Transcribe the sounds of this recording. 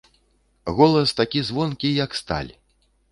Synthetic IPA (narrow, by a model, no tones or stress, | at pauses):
ɣɔlˠɐst̪akʲizvɔnkʲijɐkst̪a̰lʲ